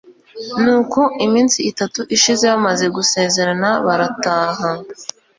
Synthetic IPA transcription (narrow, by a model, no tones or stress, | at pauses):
nuːkʰo̞ʔimiːnsiːtatuʔiʃize̞βamaze̞ɡuse̞ːze̞ɾanaβaɾataːɦa